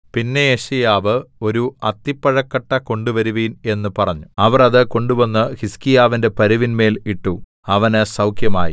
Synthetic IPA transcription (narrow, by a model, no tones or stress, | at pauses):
pinːe̞jeɕijaːʋɨo̞ɾuɐt̪ːipːɐɻɐkːɐʈːɐko̞ɳɖuʋɐɾuʋiːne̞nːɨpɐrɐɲːuɐʋɐrɐðɨko̞ɳɖuʋɐnːɨhiskijaːʋinde̞pɐɾuʋinme̞ːliʈːu | ɐʋɐnɨsɐwkʰjɐma̰ːjḭ